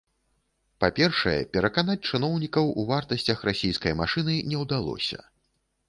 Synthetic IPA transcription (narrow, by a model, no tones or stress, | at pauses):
papʲɛrʂɐjɛ̰pʲɛɾɐkanat͡sʲt͡ʂɨnɔwnʲikɐwuvart̪ɐsʲt͡sʲɐxrasʲejskɐjmaʂɨnɨnʲɛwd̪alˠɔ̰sʲɐ̰